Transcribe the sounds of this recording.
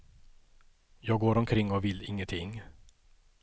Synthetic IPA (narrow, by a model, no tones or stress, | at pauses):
jɑːɡoːɾɔmkʰɾɪŋːɔvɪlːɪŋːənt̪ʰɪŋː